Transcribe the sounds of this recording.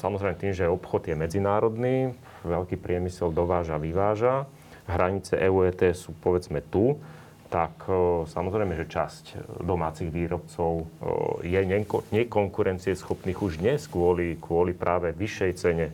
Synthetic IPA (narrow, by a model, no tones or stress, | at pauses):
samɔzɾɛjmɛt̪iːmʒɛɔpxɔd̪jɛmɛd͡zinaːɾɔd̪niː | ʋɛʎkiːpɾɪɛmisɛld̪ɔʋaːʒaʋiʋaːʒa | ɦɾaɲit͡sɛ̰ʔɛuːɛːt̪ɛːsuːpɔʋɛd͡zmɛt̪u | t̪aksamɔzɾɛjmɛʒɛt͡ʃascd̪ɔmaːt͡siɣʋiːɾɔpt͡sɔʊjɛɲɛɲɛkɔŋkuɾɛnt͡siɛsxɔpniːɣuʒd̪ɲɛskʋʊɔlikʋʊɔlipɾʔaːʋɛʋiʃːɛjt͡sɛɲɛ